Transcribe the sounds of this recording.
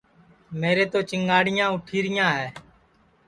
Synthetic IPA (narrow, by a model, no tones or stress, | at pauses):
meːɾeːt̪oːt͡ʃəŋɡaːɽɪjãːʊʈʰiːɾɪjãːɦɛː